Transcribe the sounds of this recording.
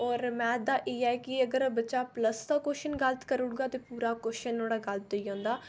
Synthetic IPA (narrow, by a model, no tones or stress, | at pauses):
ɔːɾmɛ̃ːd̪aːʔeːɛːkɪəɡəɾbətːʃaːpləst̪aːkoːʃənɡələt̪kəɾʊɽɡaːt̪eːpuːɾaːkoːʃənoːɽaːɡəlt̪̚oiːõːnd̪aː